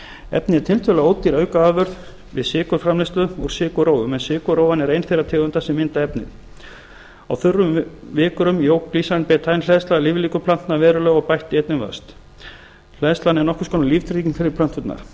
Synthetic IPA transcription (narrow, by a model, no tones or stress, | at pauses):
ɛ̰pnɪɛɾt̪ʰɪlt̪ʰœlaoːwt̪iɾœɥkaaːðvœɾð | vɪ̰ðsɪːkʏɾ̥fɾamlɪst̪lʏɔɣ̥sɪːkʏɾowvʏmɛnsɪːkʏɾowvanɛɾejnθejrat̪ʰɛːɣʏnt̪asɛmːɪnt̪aɛpnɪ̰ð | a̰wθʏrːʏmvɪːkʏɾʏmjoːwkliːsanpɛːt̪ʰajnlɛðst̪lalɪːvliːkʏpʰlan̥t̪navɛːɾʏlœːɣɔpajht̪ɪejt̪nɪmva̰st̪ | l̥ɛðst̪lanɛɾnɔhkʏ̥skɔːnaliːft̪ʰɾiːcɪnfɪɾɪɾp̪ʰœn̥t̪fʏt̪na̰ɾ̥